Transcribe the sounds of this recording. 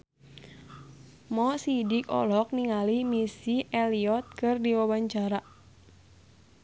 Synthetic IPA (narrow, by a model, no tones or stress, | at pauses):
mɔsidikɔ̰lɔk̚niŋalimisiɛliɔt̪̚kɨrdiwawaɲt͡ʃaɾa